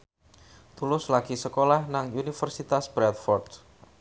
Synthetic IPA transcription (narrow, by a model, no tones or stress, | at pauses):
t̪ulʊslaɡ̥isəkolahnaŋunifərsit̪asb̥ɾɛt̪̚fɔrd̪